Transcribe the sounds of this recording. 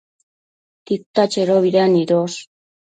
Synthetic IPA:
t̪ik̚t̪at͡ʃeɾoβiɾaniɾos

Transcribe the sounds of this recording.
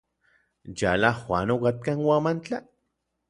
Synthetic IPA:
jalaxwʷanokat̪̚kanwamant͡ɬa

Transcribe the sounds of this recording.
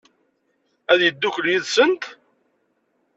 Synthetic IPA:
æðjəd̪ːukːəɾjiðsənt̪

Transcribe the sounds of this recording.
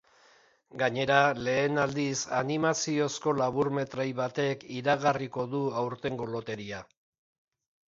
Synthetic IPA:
ɡaɲe̞ɾale̞ːnald̪isanimasio̞sko̞laβ̞uɾme̞t̪ɾajβat̪e̞kiɾaɣariko̞ðuawɾt̪e̞ŋɡo̞lo̞t̪e̞ɾia

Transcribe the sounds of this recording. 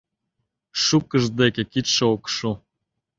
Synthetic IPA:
ʃukːəʒd̪ekʲekit̪ʃeokʃu

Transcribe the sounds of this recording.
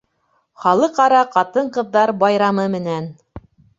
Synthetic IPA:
χɑlˠɤqɑɾɑqɑt̪ɤɴqɤ̆ðːɑɾbɑjɾɑmɤmɘ̆næn

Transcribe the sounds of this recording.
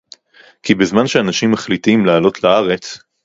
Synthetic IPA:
kibezmanʃeanaʃimːaχlitimlaːlo̞tlaaʁe̞t͡s

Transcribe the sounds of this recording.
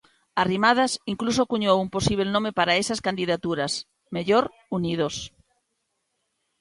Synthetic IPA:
arimað̞asiŋklusokuɲowumposiβ̞elnõmepaɾaesaskand̪iðat̪uɾas | meʎoɾ | unið̞os

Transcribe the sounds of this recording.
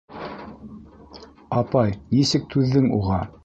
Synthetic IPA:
ɑpɑjnisɘk̚t̪ʰʉðːɘŋṵʁɑ

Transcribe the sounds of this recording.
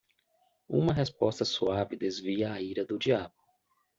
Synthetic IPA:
ṵ̃mɐɦespɔst̪ɐsuavɪd̪ezviɐːiɾɐd̪ʊd͡ʒiablʊ

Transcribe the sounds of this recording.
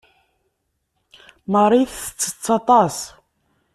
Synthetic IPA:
məɾˤiθə̥t͡sːə̥t͡sːɑt̪ˤɑs

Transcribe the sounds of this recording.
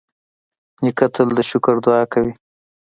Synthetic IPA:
nikat̪ʰəld̪əʃʊkʊɾd̪ʊɑkawi

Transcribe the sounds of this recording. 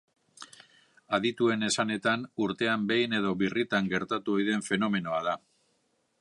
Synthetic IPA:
aðit̪ue̞ne̞sane̞t̪anuɾt̪e̞ambe̞jne̞ð̞o̞βirit̪aŋɡe̞ɾt̪at̪uojðe̞ɱfe̞no̞me̞no̞að̞a

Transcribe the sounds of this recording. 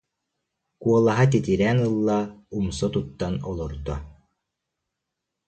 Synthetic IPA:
kuɔlˠaɦat̪̬it̪iɾɛːnɯlˠːaumsɔt̪ut̪ːanɔlˠɔɾd̪ɔ

